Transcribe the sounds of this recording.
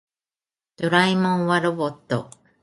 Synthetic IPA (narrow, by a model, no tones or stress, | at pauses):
d̪̥oɾaimõŋwaɾobot̪ːo̰